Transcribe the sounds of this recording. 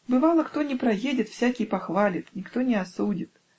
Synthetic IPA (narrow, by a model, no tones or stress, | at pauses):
bɨvalˠɐxt̪ɔnʲɛpɾajed͡zʲit̪w̥sʲakʲipaxvalʲit̪nʲikt̪ɔnʲɛasud͡zʲit̪